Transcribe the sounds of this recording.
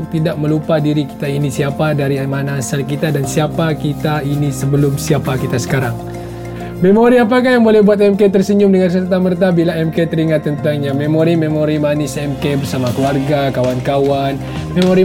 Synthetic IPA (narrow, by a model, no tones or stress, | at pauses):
k̚t̪idak̚məlupadiɾiki̥t̪ainisiapadaɾimanaːsəlkit̪adansiapakit̪ainisəbəlʊmsiapakit̪asə̥kaɾaŋ | memoɾiap̬akaɦjaŋbolɛhbuat̪̬̚ɛmket̪ərsəɲʊmdəŋans̬ərt̪amərt̪abilaɛmket̪əɾiŋat̪ːənt̪aŋɲamemoɾimemoɾimanɪsɛmkebərsamakəluarɡakawankawan | memoɾi